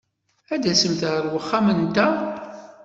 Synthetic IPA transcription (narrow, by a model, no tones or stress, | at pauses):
æd̪æsəmt̪ʕɾwəχːamənt̪æ